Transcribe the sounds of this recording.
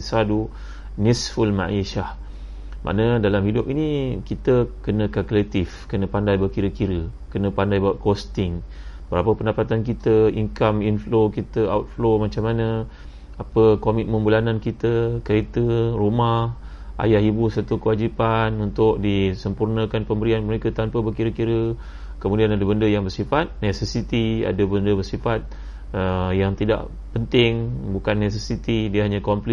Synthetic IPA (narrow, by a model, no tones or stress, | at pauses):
sadu | nisfulma̰ʔiʃah | mʔa̰ʔnədalamhidup̚inĩkit̪əkənə̃kakulet̪ifkənə̃pandajbərkiɾəkiɾəkənə̃pandajbawʔ̚kost̪ɪŋ | bəɾapəpəndapat̪ankit̪əiŋkaminflokit̪əawt̪̚flomat͡ʃamanə̃ | apəkomik̚məmbulanankit̪əkəɾit̪ərumah | ʔa̰jaɦibusat̪ukəwad͡ʒipanunt̪ʊk̚disəmpurnə̃kanpəmbəɾianməɾekat̪ampəbərkiɾəkiɾə | kəmũdianadəbəndəjaŋbərsifat̪̚nesɛsit̪ia̰dəbəndəbərsifat̪̚ | əjaŋt̪ida̰ʔ | pənt̪ɪŋbukanːes̬ɛsit̪idiəɦaɲakɔmpli